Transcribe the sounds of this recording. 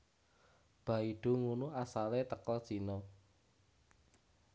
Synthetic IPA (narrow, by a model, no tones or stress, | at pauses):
b̥ä̤iɖ̥o̤ŋunuasalet̪əkəl̥ʒ̥inɔ